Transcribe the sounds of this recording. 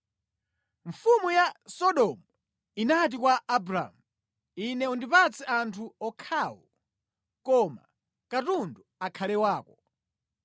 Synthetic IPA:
ɱfumujasɔɗɔmu | inat̬ikwaːbɾa̰mu | inɛundipat͡sʰɛʔantʰuɔkʰaːwɔ | kɔma̰ | katunduakʰalɛwaːkɔ

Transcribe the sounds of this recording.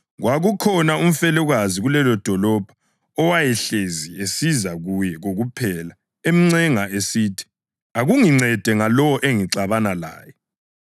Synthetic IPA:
ɣwʔaɣukʰɔnaum̩fɛluɣaziɣulɛlɔd̥ʱɔlɔb̥ʱḁ | ɔwajɛɬeziesizaɣujɛɣoɣupʰɛla | em̩ŋ͡ǀɛŋaʔesiːtʰi̥ | aɣuŋiŋ͡ǀʱɛd̥ʱɛŋalɔwɔʔeŋiǀaβanala̰ːjɛ

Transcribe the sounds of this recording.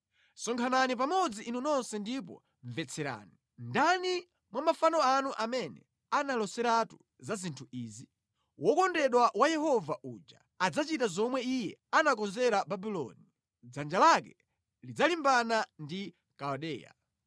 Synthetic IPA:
sɔŋkʰananip̬amɔd͡ziʔːnunɔnsɛndip̬ɔ̰ | ɱvɛt͡sʰɛɾa̰ːni | ndani | mwamafanɔanuʔamɛnɛ̰ | analɔsɛɾatu | zazintʰuiːzi | wɔkɔndɛɗwawajɛhɔvaʔuːd͡ʒa | ad͡zat͡ʃitazɔmwɛijɛanakɔnzɛɾababilɔ̰ni | d͡zand͡ʒalakɛ | lid͡zalimbanandi | kaɔɗɛ̰ːja̰

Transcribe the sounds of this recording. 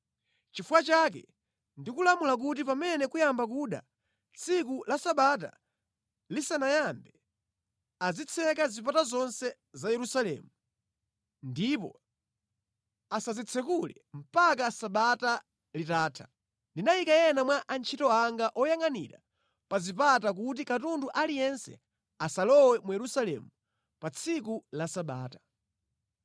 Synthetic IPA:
t͡ʃifuwat͡ʃak̬ɛ̰ | ndikulamulak̬ut̬ipamɛnɛkujambak̬uɗa̰ | t͡sʰikulasaɓat̬a̰ | lisanajambɛ | azit͡sʰɛkazip̬atazɔnsɛ | zajɛɾusalɛ̰ːmu | ndipɔ̰ | asazit͡sʰɛkulɛ̰m̩pakasaɓata | litaːtʰḁ | ndinajikajɛnamwaʔant͡ʃʰitɔaŋɡaʔɔjaŋanḭɾa̰ | pazipatak̬ut̬ikatunduʔalijɛnsɛ̰ | asalɔwɛmujɛɾusalɛ̰mu | pat͡sʰikulasaɓa̰ːtḁ

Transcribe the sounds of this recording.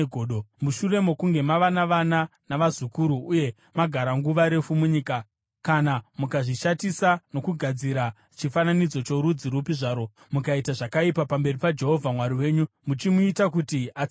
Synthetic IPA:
ɡʱoːɗomuʃure̞mo̞kuŋɡe̞maʋanaʋananaʋazukuɾuːje̞ | maɡʱaɾaŋɡuʋaɾe̞fumuɲiːka | kanamukaʐiʃatisano̞kuɡʱad͡ziɾa | t͡ʃifananid͡zo̞t͡ʃo̞ɾud͡ziɾupiʐaːɾo̞ | mukaitaʐakaipapambe̞ripad͡ʒe̞ɦo̞vʱamwaɾiwe̞ːɲu | mut͡ʃimuitakutia

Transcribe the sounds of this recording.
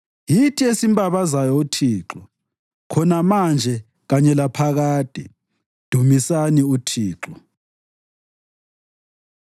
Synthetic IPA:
jitʰiesimbʼaβazajɔutʰiːǁɔ | kʰɔnamand͡ʒʱɛ | ɣaɲɛlapʰaɣaːd̥ʱɛ | d̥ʱumisaniutʰiːǁɔ

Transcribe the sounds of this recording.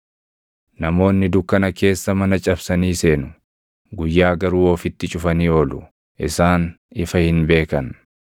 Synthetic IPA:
nɐmo̞ːnːɪd̪ʊkːɐnɐke̞ːsːɐmɐnɐt͡ʃʼɐbsɐniːse̞ːnʊ | ɡʊjːaːɡɐɾuːoːfɪt̪ːɪt͡ʃʼʊfɐniːoːlʊ | ʔɪsaːn | ɪfɐhɪnbe̞ːkɐn

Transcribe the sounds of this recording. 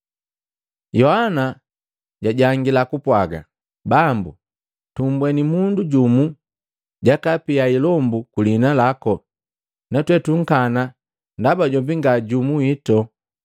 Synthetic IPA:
jɔhana | ɟaɟaŋɡilakupwaɡa̰ | bambṵ | tumbwɛnimunduɟumu | ɟakapiailɔmbukulinalakɔ | natwɛtuŋ̩kana | ndabaɟɔmbiŋɡaɟumuitɔ

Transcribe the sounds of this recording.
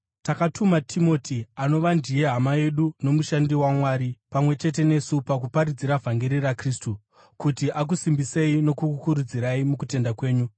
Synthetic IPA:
takatʰumatʰimo̞ːtʰiano̞ʋandije̞ɦamaje̞ɗuno̞muʃandiwamwaːɾipamwe̞t͡ʃe̞t̬e̞ne̞supakupaɾid͡ziɾavʱaŋɡe̞ɾirakristu | kutiʔak̬usimbise̞ino̞kukukuɾud͡ziɾaimukute̞ndakwe̞ːɲu

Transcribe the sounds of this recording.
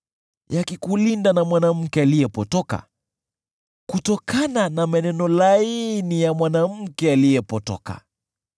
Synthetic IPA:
jakikulindanamwanam̩kɛalijɛpɔtɔka̰ | kutɔkananamɛnɛnɔlainijamwanam̩kɛalijɛpɔtɔ̰ka̰

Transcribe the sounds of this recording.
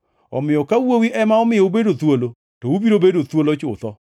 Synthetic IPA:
ɔmɪjɔkawowiʔɛmaɔmɪɔubedot̪wolo | tɔubiɾobedot̪wolot͡ʃʊt̪ɔ

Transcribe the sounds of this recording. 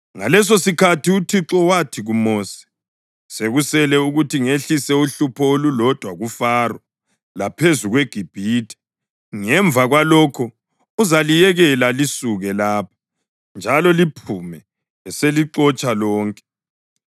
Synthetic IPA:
ŋalɛs̬osikʰatiutʰiǁɔwatʰiɣumɔːsɛ̥ | seɣusɛlɛuɣutiŋeɬisɛuɬupʰɔolulɔd̥ʱwaɣufaːrwɔ | lapʰezuɣweɡ̥ʱib̥ʱiːtʰɛ̥ | ŋɛɱvʱaɣwalɔkʰɔ | uzalijɛɣɛlalisuɣɛlaːp̚ʰḁ | nd͡ʒʱalɔlipʰumɛ | ɛseliǁɔt͡ʃʼalɔːŋkʼɛ̥

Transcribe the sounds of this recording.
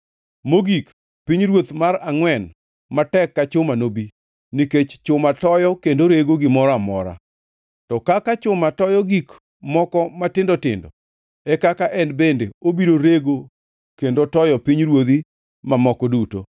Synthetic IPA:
moɡik | piɲɾwot̪maɾaŋwɛn | matɛkːat͡ʃʊmanobi | niket͡ʃt͡ʃʊmatɔjɔkendoɾeɡoɡɪmɔɾamɔ̰ɾa̰ | tɔkakat͡ʃʊmatɔjɔɡik | mɔkɔmatɪndɔtɪ̰ndɔ̰ | ɛkakaʔɛnbendeobiɾoɾeɡo | kendotɔjɔpiɲɾwod̪i | mamɔkɔduto

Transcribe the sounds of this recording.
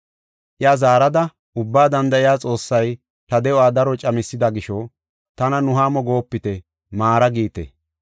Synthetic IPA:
ʔɪazaːɾɐd̪ɐ | ʊbːaːd̪ɐnd̪ɐʔɪjaːt͡sʼo̞ːsːɐj | t̪ɐd̪ɛɔaːd̪ɐɾɔt͡ʃʼɐmɪsːɪd̪ɐɡɪʃɔ | t̪ɐnɐnʊɦaːmɔɡo̞ːpːɪt̪ɛ | maːɾɐɡiːt̪ɛ̰

